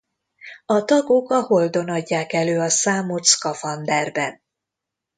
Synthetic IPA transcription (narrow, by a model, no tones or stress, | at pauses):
ɒt̪ɒɡokɒho̞ld̪o̞nɒɟːaːkɛløːɒsaːmot̪skɒfɒnd̪ɛrbɛn